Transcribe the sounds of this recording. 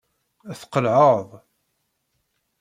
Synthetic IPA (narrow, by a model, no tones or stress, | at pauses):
æθqəlʕəðˤ